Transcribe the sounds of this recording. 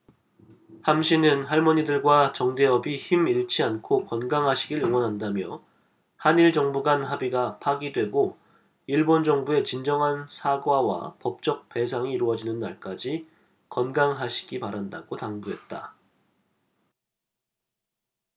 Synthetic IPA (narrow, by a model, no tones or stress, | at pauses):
hamɕʰinɯnɦaɭmʌɲidɯɭɡwat͡ɕʌŋde̞ʌbiçimiɭt͡ɕʰiankʰokʌnɡaŋɦaɕʰiɡiɭjoŋwʌnɦandamjʌ | haniɭd͡ʑʌŋbuɡanɦabiɡapʰaɡidwe̞ɡo | iɭbond͡ʑʌŋbue̞t͡ɕind͡ʑʌŋɦansʰaɡwawa̰pʌp̚t͡ɕ͈ʌk̚pe̞sʰaŋiːɾuʌd͡ʑinɯnːa̰ɭk͈ad͡ʑi | kʌnɡaŋɦaɕʰi̥ɡipaɾanda̰ɡotaŋbuɦe̞t̚t͈a̰